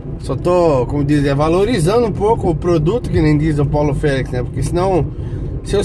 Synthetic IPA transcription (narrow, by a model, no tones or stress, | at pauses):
sɔt̪okõmʊd̪izɛvaloɾizɐ̃nd̪ʊũpokʊːpɾod̪ut̪ʊkɪnẽj̃d̪izɐ̃pawlʊfɛliksnɛpoɾkesɪnɐ̃w̃ | sɪe